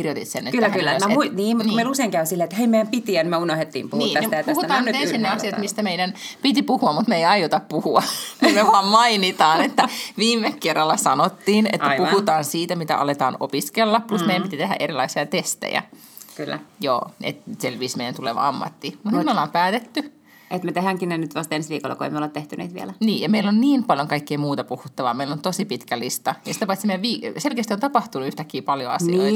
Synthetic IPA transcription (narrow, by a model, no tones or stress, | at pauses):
kirjot̪it̪senːetkylːækyːææuiniːmut̪kmeiluseiŋkæysilːet̪heimejæmpit̪iænmeunohet̪ːḭːmpuhnuiːæmet̪ætpushut̪ɑːnnyt̪enssinːeɑsiɑt̪mist̪æmeidænpit̪ipuhuɑmmut̪meiɑjot̪ɑppuhuɑmut̪meʋɑːmmɑinit̪ɑːnet̪ːæʋiːmːekkerːɑlːɑsɑnot̪ːiːnḛtːæjpuhut̪ɑːnsiːt̪æmit̪æ̰ʔɑ̰let̪ɑ̰ːno̰piskelːɑpplusmeijæmpit̪it̪eɦæ̰ʔeɾilɑ̰isiɑt̪est̪ḛjæ̰ | kylːæ̰jo̰ːḛt̪selʋiːsmeijænt̪uleʋɑ̰ɑmːɑ̰t̪ːimut̪nit̪meolːɑːmpæːt̪et̪ːy | et̪met̪eɦæŋkinːenyt̪ʋɑst̪ensʋiːkolːɑ̰koḛimːeolet̪eht̪ynḛːt̪ʋiɛ̰læniːjɑmeilːonniːmpɑljoŋkɑikːeimuːt̪ɑpuhut̪ːɑʋɑ̰ːmeilont̪osipit̪kælist̪ɑjɑsit̪æpɑt̪simeæʋiːselkeːst̪iont̪ɑpɑht̪unuyht̪ækːiːpɑljo̰ɑ̰sniiː